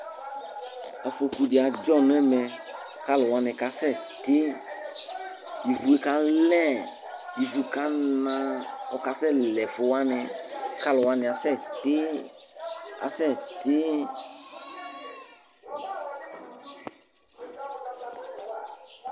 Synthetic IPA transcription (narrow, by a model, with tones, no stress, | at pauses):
ɔ˨fʊ˧ku˨dɪ˨a˨d͡ʒɔ˦n˦ɛ˦mɛ˨ | ka˦lʊ˨wa˦nɛ̃˨ka˨sɛ˦˨ | t̪ɪ˦ | ji˨vu˨i˨ka˦lɛ˦ | ji˨vu˨ka˦nã˧ɔ˨ka˨sɛ˦˨lɛ˨fʊ˨wa˦nɛ˧˦ka˦lʊ˨wa˧nɪ̃˨a˨sɛ˦˨t̪ɪ˦ | a̰˨sɛ˦˨t̪ɪ˦